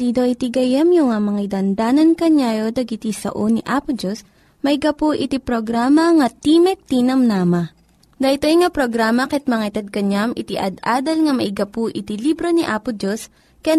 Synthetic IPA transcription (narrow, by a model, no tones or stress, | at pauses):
d̪iːd̪oʔit̪iɡɐjɐmjʊŋamɐŋaid̪ɐnd̪aːnɐnkɐɲaːjod̪ɐɡɪt̪isɐ̰ʔoniʔaːpʊd͡ʒos | mɐʔɪɡɐpuʔɪt̪ipɾoɡɾaːmɐŋɐt̪imɛk̚t̪inɐmnaːmɐ | d̪ɐit̪ojŋapɾoɡɾaːmɐkɛt̪̚mɐŋait̪ɐd̪̚kɐɲamʔɪt̪iʔɐ̰d̪ʔaːd̪ɐlŋɐmɐʔɪɡɐpuʔɪt̪ilibɾoniʔaːpʊd͡ʒos | kɐja